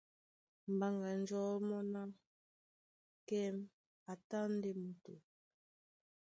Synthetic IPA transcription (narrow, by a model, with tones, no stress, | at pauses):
m̩˨ba˨ŋɡa˨n̩˦d͡ʒɔ˦mɔ˦na˦ | kɛ˦m | a˨ta˦n̩˦de˦mu˨to̰˨